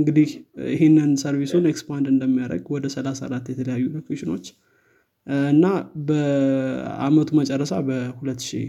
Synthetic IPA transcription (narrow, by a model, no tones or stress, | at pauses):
ɨŋɡɨd̪ihjɪɦenːɨnsəɾβisunekspand̪ɨnd̪əmːijaɾə̰ɡwɔd̪əsəlasa̰ɾat̪ːjɛt̪ʰələjajːulokʰeʃɪno̞t͡ʃː | ɨnːabə | a̰mət̪ʰumət͡ʃʼɛrːəsabəhulət̪ːʃḭ